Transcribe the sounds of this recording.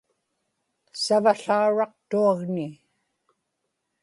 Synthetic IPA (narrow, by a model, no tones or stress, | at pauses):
savaɬauɻɑq̚t̪uaɣnɪ